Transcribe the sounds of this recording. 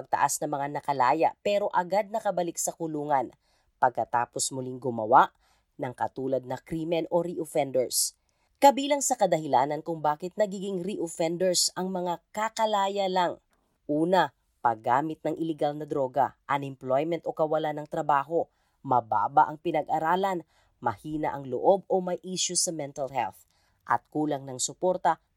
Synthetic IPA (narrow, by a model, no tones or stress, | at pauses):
ɐɡ̚t̪ɐ̰ʔasnɐmɐŋanɐkɐlaːja̰ʔpɛɾo̞ʔɐɡad̪̚nɐkɐbɐlɪk̚sɐkʊluːŋɐn | pɐɡ̚kɐt̪a̰ːpo̞smʊliŋɡʊmɐ̰waʔ | nɐŋkɐ̰t̪uːlɐd̪̚nɐkɾimɛnʔo̞ɾiʔofɛnd̪ɛɹs | kɐbiːlɐŋsɐkɐd̪ɐhɪlaːnɐnkʊŋbaːkɪt̪̚nɐɡiːɡɪŋɾiʔofɛnd̪ɛɹsɐŋmɐŋakakɐlaːjɐlaŋ | ʔuːnɐ | pɐɡa̰ːmɪt̪̚nɐŋʔɪlɛɡalnɐd̪ɾo̞ːɡɐ̰ʔɐŋɪmplojmɛnt̪ʔokɐwɐlanɐŋt̪ɾɐbaːɦo̞ | mɐba̰ːbaʔɐŋpɪnɐɡʔɐɾaːlɐn | mɐhiːnɐ̰ʔɐŋlo̰ʔo̞bo̞mɐjʔiːʃʊsɐmɛnt̪ɐlhɛ̰lθ | ʔɐ̰t̪̚kuːlɐŋnɐŋsʊpo̞ɾt̪ɐ